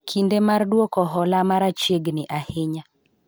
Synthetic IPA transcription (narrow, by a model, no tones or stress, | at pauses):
kʰindemardwokɔɦɔlamaɾat͡ʃeɡnɪʔahɪɲa